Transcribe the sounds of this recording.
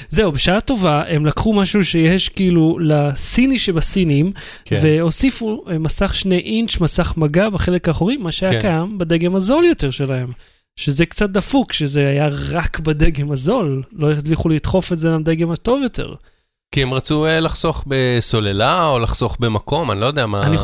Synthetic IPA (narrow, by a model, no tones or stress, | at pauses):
ze̞ubeʃaato̞vaʔe̞mlakχumaʃuʃejeʃkiilulasiniʃebasinim | kveo̞sifumasaχʃne̞ʔint͡ʃmasaχmaɡabaχe̞le̞kaːχoʁimːaʃeajakajambad̪e̞ɡe̞mazo̞ljo̞te̞ʁʃe̞lahe̞m | ʃezekt͡sat̪̚d̪afukʃe̞zeajaʁakbad̪eɡe̞mazo̞lːo̞jat͡sliχulit̪χo̞fetzeɡamd̪e̞ɡe̞mato̞vjo̞t̪ʰḛʁ | kiemʁat͡suelaχsoχbeso̞lelaolaχso̞χbemako̞manilojod̪eamaani